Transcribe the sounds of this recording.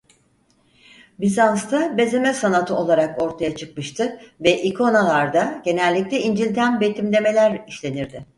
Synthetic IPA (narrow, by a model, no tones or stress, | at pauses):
bizanst̪ʰabe̞ze̞mɛsanat̪ʰɯo̞lˠaɾako̞ɾt̪ʰajat͡ʃʰɯk̚mɯʃt̪ʰɯvɛʔikʰo̞nalˠaɾd̪aɟ̥e̞nɛlʲːic̚lʲɛind͡ʒilʲt̪ʰænbe̞t̪ʰimlʲe̞me̞lʲæɾiʃlʲe̞niɾd̪ɪ